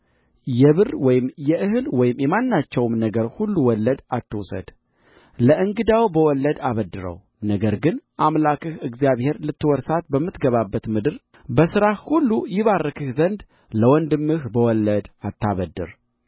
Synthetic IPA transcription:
jɛβɨrwɔjɪmjɛʔɨɦɨlwɔjɪmjɛmanːat͡ʃːɛwmnəɡəɾhulːuwɔlːəd̪at̪ʰːɨwsə̰d̪̥ | ləɨŋɡɨd̪awbəwɔlːəd̪aβəd̪ːɨɾə̰w | nəɡəɾɡɨnʔamlakɨhɨɡzjaβhe̞ɾlɨt̪ːɨwɔɾsat̪bəmːɨt̪ɡəβabːət̪mɨd̪ɨɾ | bəsɨɾahhulːujɪβarːəkɨhzənd̪ | ləwɔnd̪ɨmːɨhbəwɔlːəd̪at̪ʰːaβəd̪ːɨ̰ɾ

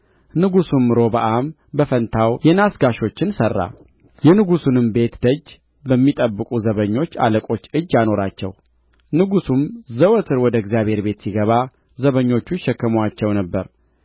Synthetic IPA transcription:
nɨɡusumːɨɾo̞bəʔam | bəfənt̪ʰawjɛnasɡaʃo̞t͡ʃːɪnsərːa̰ | jɛnɨɡusunɨmbe̞t̪d̪əd͡ʒː | bəmːit̪ʼəbːɨkʼuzəβəɲːo̞t͡ʃːa̰ləkʼo̞t͡ʃːɨd͡ʒːjano̞ɾat͡ʃːɛ̰w | nɨɡusumzəwət̪ʰɨɾwɔd̪əɛɡzjaβhe̞ɾbe̞t̪siɡəβa | zəβəɲːo̞t͡ʃːuʃɛkːəmwat͡ʃːɛwnəbːəɾ

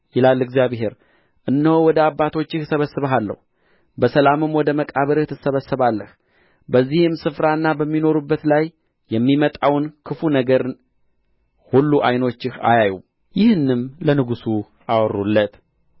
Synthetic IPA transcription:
jɪlalːɨɡzijaβɦe̞ɾ | ʔɨnːəwuwɔd̪əabːat̪ʰo̞t͡ʃːɪhsəβəsɨβəɦalːə̰hu | bəsəlamɨmwɔd̪əməkʼaβəɾɨht̪ʰɨsəβəsːəβalːəh | bəzːihɨmsɨfɾaɨnːabəmːino̞ɾubːət̪laj | jɛmːimət̪ʼawnkʰɨfunəɡəɾ | hulːuʔajno̞t͡ʃːɪha̰jaju | jɪhɨnːɨmlənɨɡusu | ʔawrːulːət̪

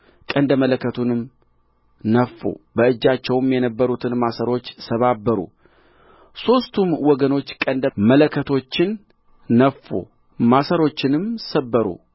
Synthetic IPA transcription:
kʼənd̪əmələkʰːət̪ʰunɨm | nəfːo̰bəɨd͡ʒːat͡ʃːɛwmjɛnəbːəɾut̪ʰɨnmasəɾo̞t͡ʃːsəβabːəɾṵ | so̞st̪ʰumwɔɡəno̞t͡ʃːkʼənd̪əmələkʰːət̪ʰo̞t͡ʃːɪnː | əfːo̰ | masəɾo̞t͡ʃːɪnɨmsəbːəɾṵ

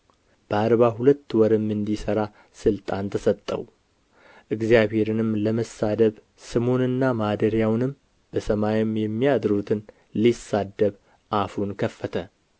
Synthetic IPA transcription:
b̥əaɾβaɦulət̪ːwɔɾɨmːɨnd̪isəɾa | sɨlt̪ʼant̪ʰəsət̪ʼːə̰w | ʔɨɡzijaβhe̞ɾɨnɨmləməsad̪əβ | sɨmo̞nɨnːamad̪əɾjawnɨm | b̥əsəmajɪmjɛmːijad̪ɾut̪ʰɨn | lisːad̪ːəβ | ʔafunkʰəfːət̪ʰə

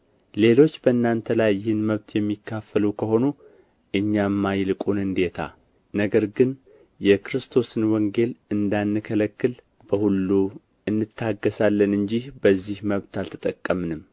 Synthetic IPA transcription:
le̞lo̞t͡ʃːbəɨnːant̪ʰəlajːɪhɨnməβt̪ʰjɛmːikʰːafːəlukʰəho̞nu | ʔɨɲːamːajlɨkʼunɨnd̪e̞t̪ʰa̰ | nəɡəɾɡɨn | jɛkɾɨst̪ʰo̞sɨnwɔŋɡe̞lɨnd̪anːɨkʰələkːɨl | b̥əhulːu | ɨnːɨt̪ʰːaɡːəsalːənɨɲd͡ʒihbəzːihməβt̪alt̪ʰə̥t̪ʼəkʼːəmɨnɨmː

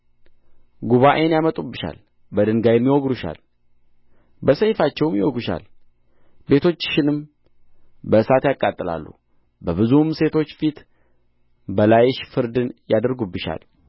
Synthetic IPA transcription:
ɡuβaʔenjamət̪ʼubːɨʃa̰l | bəd̪ɨŋɡajɛmːiwɔɡɾuʃa̰l | bəsəjfat͡ʃːɛwmjɪwoɡuʃa̰l | be̞t̪ʰo̞t͡ʃːʃɪnɨm | bəsat̪jakʼːat̪ʼːɨla̰lːṵ | bəβɨzumse̞t̪ʰo̞t͡ʃːfit̪ | bəlajɛʃfɨɾd̪ɨnjad̪əɾɡubːɨʃa̰l

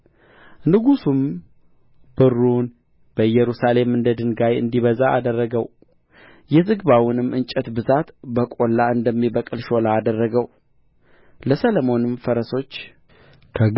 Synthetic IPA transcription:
nɨɡusum | b̥ɨrːun | b̥əjɛɾusale̞mɨnd̪əd̪ɨŋɡajɨ̰nd̪iβəzaʔa̰d̪ərːəɡəw | jɛzɨɡβawʊnɨmɨnt͡ʃʼɛt̪bɨzat̪bəkʼo̞lːaɨnd̪əmːibəkʼɨlʃo̞laːd̪ərːəɡəw | ləsələmo̞nɨmfəɾəso̞t͡ʃː | kʰə

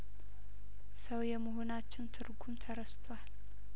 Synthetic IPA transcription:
səwjɛməɦo̞nat͡ʃːɪnt̪ʰɨɾɡumt̪ʰəɾəst̪ʰwal

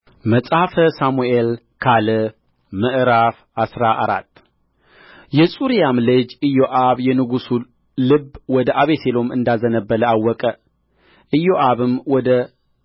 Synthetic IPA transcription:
məsʼafəsamuʔel | kʰalɨ | mɨʔɨɾaf | asɾaʔaɾa̰t̪ː | jɛsʼuɾijamlɨd͡ʒɨjoʔaβjɛnɨɡusu | lɨbwɔd̪əʔaβeselo̞mɨ̰nd̪azənəbːələawːɔkʼə | ʔɨjːoʔaβɨmwɔd̪ə

